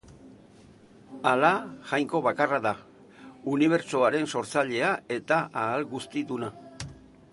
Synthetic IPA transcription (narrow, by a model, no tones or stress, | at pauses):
alaʝajŋko̞βakaraða | uniβ̞e̞ɾt͡soaɾe̞nso̞ɾt͡saʎe̞ae̞t̪aʔaːlɣust̪iðuna